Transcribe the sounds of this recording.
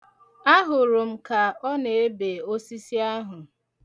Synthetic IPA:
a˦ɦʊ˨ɾʊ˨m̩˦ka˨ɔ˦ne˨e˦be˨o˦si˦si˦a˦ɦʊ˨

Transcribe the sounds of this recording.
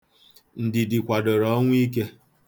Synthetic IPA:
n̩˨dɪ˨dɪ˨kʷa˨do˨ɾɔ˦ŋʷ˦i˦k̬e˦

